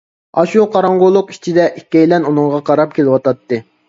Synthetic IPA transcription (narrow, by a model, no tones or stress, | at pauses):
ɑʃuqʰɑɾɑɴʁolˠːʊqi̥t͡ʃʰid̪ɛʔikʲːɛjlɛnunɨŋʁɑqʰɑɾɑp̚kʲʰelɪwɑt̪ɑt̪ːɨ